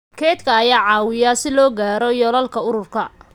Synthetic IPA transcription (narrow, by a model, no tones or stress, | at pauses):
kʰɛːt̪kʰɐːjaːʕɑːwɪjasɪlɔːɡaːɾɔjɔlɐlkʰɐʊɾʊrkʰɐ